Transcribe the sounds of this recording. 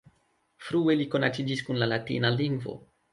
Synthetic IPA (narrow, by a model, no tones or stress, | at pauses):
fɾue̞liko̞nat͡sid͡ʒiskunlalatḭnaliŋɡvo̞̰